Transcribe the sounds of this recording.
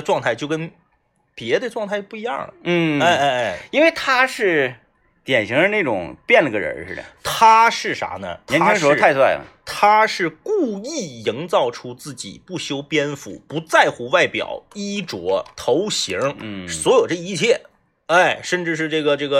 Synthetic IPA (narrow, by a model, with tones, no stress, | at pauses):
ʈ͡ʂwɑ˥˧ŋt̪ʰa˥˩ɪt͡ɕjo˥˧ʊkə˥n | pjɛ˧˥d̪ə˧ʈ͡ʂwɑ˥˧ŋt̪ʰa˥˧ɪpu˥˩i˧˥jɑ̰˥˩ŋlə̰˩n̩˥˩a˥˧ɪa˥˧ɪa˥˩i˥nwe˥˩ɪt̪ʰa˥ʂɻ̩˥˩ | t̪jɛ˨˩nɕi˧˥ŋə˧na˥˩ʈ͡ʂʊ̰˨˩ŋpjɛ˥˩nlə˩ɡə˧ɻə̰˧˥ʂɻ̩˥˩d̪ə̰˩t̪ʰa˥ʂɻ̩˥˩ʂa̰˧˥nə̰˧ɛ˧˥na˥ŋʂɔ˥t̪ʰa˥˧ɪswa˥˩ɪə̰t̪ʰa˥ʂɻ̩˥˧ku˥˧i˥˩ji˧˥ŋt͡sɑ˥˩ʊʈ͡ʂʰu˥t͡sɹ̩˥˩t͡ɕḭ˨˩pu˥˩ɕjo˥ʊpjɛ˥nfṵ˧˩pu˧˥t͡sa˥˩ɪxu˧˥wa˥˩ɪpjɑ̰˨˩˦ʊi˥ʈ͡ʂwɔ˧˥t̪ʰo˧˥ʊɕi˧˥ŋswɔ˧˥jo˨˩ʊʈ͡ʂɤ˥˧i˥˧t͡ɕʰjɛ˥˩ | e˥˩ɪʂə˥˧nʈ͡ʂɻ̩˥˧ʂ̬ɻ̩˥˧ʈ͡ʂɤ˥˩ɡə˩ʈ͡ʂɤ˥˩ɡə˩